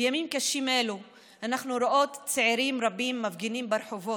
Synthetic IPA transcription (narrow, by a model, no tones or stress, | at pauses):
jamimkaʃimelu | ʔanaχnuɾoʔo̞t̪t͡seʕiɾimɾabimːavɡenimbeɾħovo